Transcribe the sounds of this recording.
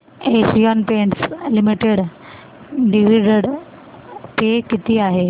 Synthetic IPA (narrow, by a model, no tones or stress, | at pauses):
esiɔnpeɳʈslimiʈeɽ | ɖiʋiɖəɽ | pekit̪iːaɦe